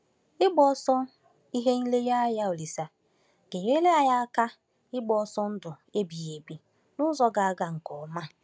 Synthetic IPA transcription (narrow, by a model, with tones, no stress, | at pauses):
ɪ˦ɡ͡bɔ˦ɔ˦sɔ˦ | i˦ɦe˦ŋ̩˦le˦ja˦a˦ja˦o˨li˨sa˨ | ɡ̥e˨je˦le˦a˦ja˦a˦ka˦ | ɪ˦ɡ͡bɔ˨ɔ˦sɔ˦n̩˦dʊ˨ | e˦bi˨je˨bi˦˨ | nʊ˦zɔ˦ɡa˨a˦˨ɡa˨ŋ̩˨kɔ˨ma˦